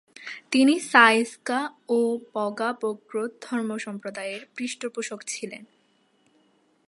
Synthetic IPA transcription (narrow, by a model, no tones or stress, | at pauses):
t̪inisajskaopɔɡapoɡɾod̪ʱɔɾmoʃɔmpɾod̪aeɾpɾiʃʈopuʃokt͡ɕʰilḛn